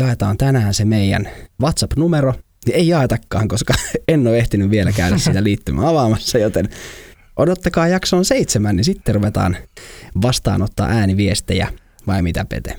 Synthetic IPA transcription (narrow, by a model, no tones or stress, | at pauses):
jɑet̪ɑːnt̪ænæːnsemeijæ̰nʋɑt̪sɑpnumeɾo | nieijɑet̪ɑkːɑ̰ːŋkoskɑenːoːeht̪inyʋʋielækæydæssit̪æliːt̪ːymʔæ̰ɑʋɑmɑsːɑjot̪en | ʔodot̪ːɑkɑːjɑksoːnseit̪semænnisit̪ːeruʋet̪ɑ̰ːnʋɑst̪ɑ̰ːnot̪ːɑ̰ːʔæːniʋiest̪ejæ̰ | ʋɑimit̪æpḛt̪ḛ